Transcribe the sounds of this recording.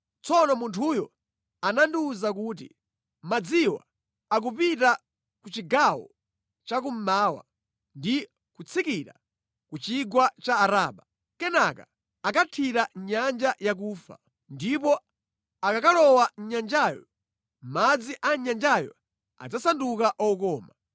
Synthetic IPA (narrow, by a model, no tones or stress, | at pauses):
t͡sɔnɔmuntʰuːjɔ̰ | ananduzak̬uːt̬ḭ | mad͡ziwa̰ | ak̬upita | kut͡ʃiɡawɔ̰ | t͡ʃakum̩maːwa̰ | ndi | kut͡sʰikiɾa̰ | kut͡ʃiɡwat͡ʃaːɾaːɓa | kɛnaka | akatʰiɾaɲand͡ʒajak̬uːfa̰ | ndipɔ | akakalɔwaɲand͡ʒajɔ | m̩mad͡ziʔaɲand͡ʒajɔ̰ | a̰d͡zasandukaʔɔkɔːma